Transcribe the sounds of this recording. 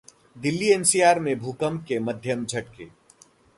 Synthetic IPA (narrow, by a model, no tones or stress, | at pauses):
d̪ɪlːieːnsiːaːɾmẽbʱuːkəmkemɐd̪ʱjəmd͡ʒʱɐʈkeː